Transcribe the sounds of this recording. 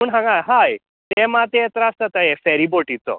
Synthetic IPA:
muːɳɦãŋɡajɦaj | t̪ɛmat̪ejet̪ɾəəst̪at̪ajɛfɛɾiboʈit͡sɔ̰

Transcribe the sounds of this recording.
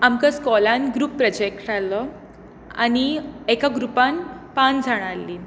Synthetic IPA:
amkəskɔlãnɡɾuːpːɾəd͡ʑek̚ʈalə | a̰ñiekaɡɾupãnpand͡zʱaɽ̃alːi

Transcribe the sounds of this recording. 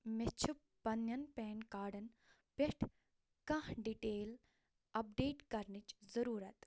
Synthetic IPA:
met͡ʃʰupːɐnjɐnpɛːnkaːɖɐn | peʈʰ | kɐ̃ɦɖiʈeːl | ɐp̚ɖeːʈkɐɾnit͡ʃzɐɾuːɾɐt̪

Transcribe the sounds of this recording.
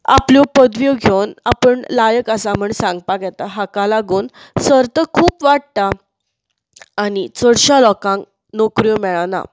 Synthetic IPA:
a̰pljɔpəd̪ʋjoɡʱewnapəɳlajəkasam̤əɳsãŋɡ̚paɡɛt̪aɦakalaɡuːn | səɾt̪əkʰuːpʋaɽ̚t̪a | nit͡səɽɕalɔkãŋk | nokɾjõmɛɭana̰

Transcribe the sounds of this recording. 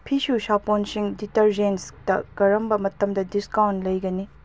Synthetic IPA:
pʰisusaponsiŋditɐɾd͡ʒensdɐkɐɾɐmbɐmɐtɐmdɐdiskawntlɐjɡɐni

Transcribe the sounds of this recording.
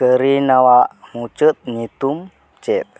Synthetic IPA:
kəɾinawaʔmut͡ʃət̪̚ɲit̪um | t͡ʃɛp̚

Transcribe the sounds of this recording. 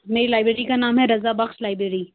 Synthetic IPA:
meːɾilaːɪbɾeːɾikanaːmɦɛɾɐzabɐxʃlaːɪbɾeːɾiː

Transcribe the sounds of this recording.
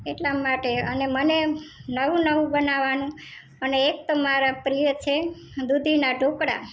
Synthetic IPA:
eʈlamaʈeənemənenəʋũnəʋũbənaʋanũ | əneːk̚t̪omaɾapɾijət͡ʃʰe | d̪ud̪ʱinaɖʱokɽa̰

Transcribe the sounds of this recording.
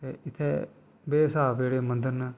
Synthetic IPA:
t̪eɪt̪ʰːɛː | beːsaːbeːɽeːmə̃nd̪əɾnː

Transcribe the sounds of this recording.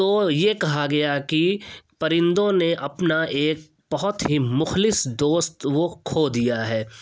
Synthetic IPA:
t̪oːjekɐɦaɡɐjakipɐɾɪ̃nd̪õneʔɐpnaeːk̚ | b̥ɐɦʊt̪ɦimʊxlɪsd̪oːst̪wokʰoːd̪ijaɦɛː

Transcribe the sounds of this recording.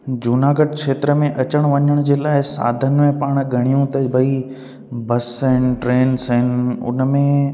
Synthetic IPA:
d͡ʑuːnaːɡəʈ̚kʃeːt̪ɾəmẽʔɐt͡ɕəɽ̃ʋɐɲəɽ̃d͡ʑeːlaːɪsa̰ːd̪ʱənɪ̆mẽpaːɽ̃ɡʱɐɽ̃ijũt̪ɐbʱɐi | bɐsːəɦɪnɪ̆ʈɾeːnsɦɪnɪ̆ʊ̰nmẽ

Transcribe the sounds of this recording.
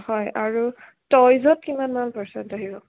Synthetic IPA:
hɔjaɹu | tɔjzɔt̚kimanmanpɛɹsɛntaɦibɔ

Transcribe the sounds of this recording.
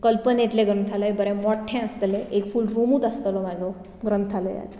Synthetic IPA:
kəlpəneʈleɡɾənt̪ʰaləjbəɾɛmɔʈʰːɛ̃əst̪əleʔekfulɾumuːt̪ast̪əlɔmad͡zʱɔ | ɡɾənt̪ʰaləja̰t͡s

